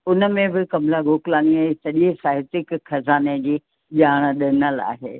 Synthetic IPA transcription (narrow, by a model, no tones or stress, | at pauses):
ʊnə̆mẽbɪkɐmlaɡoːklaːniaːɦesɐʄesaːɦɪt̪ɪkxɐzaːned͡ʑiː | ʄaːɽ̃ɗɪnəla̰ːɦḛː